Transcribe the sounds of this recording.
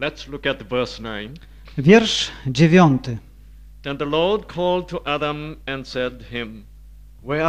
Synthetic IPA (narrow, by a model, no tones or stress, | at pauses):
lɛtslʊkɨt̚vɜsnãɪ̃n | vʲjɛɾʂd͡ʑevʲjɔnt̪ɪ | ɛ̃nðəlɔd̚kʰɔlˠd̚tʰuʔædə̃mɛ̃nsɛd̚hɪ̃m | wɛ